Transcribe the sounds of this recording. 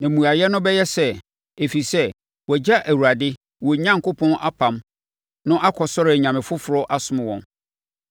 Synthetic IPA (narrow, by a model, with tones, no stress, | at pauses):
nã˨mũ˨a˨jɛ˦nʊ̃˦bɛ˦jɛ˦sɛ˦ | e˨fi˨sɛ˦ | wɔ˨d͡ʑa˦ʔæ˨wu˨ɾa˨dɪ˦ | wɔ˨ɲã˦ŋkʰʊ˦pʰɔ̃˦nʔa˦pʰã˨m | nʊ̃˦ʔa˦kʰɔ˨sɔ˦ɾɪ˨ɲã˨mɪ̃˨fʊ˦fʊ˨ɾɔ˦ʔa˦sʊ˦mɪ̃˨wɔ̰̃˨n